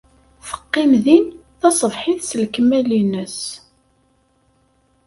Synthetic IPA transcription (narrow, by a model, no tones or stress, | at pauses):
θə̥qːɪmðinθɑsˤəvħɪθsəlkəmælinəs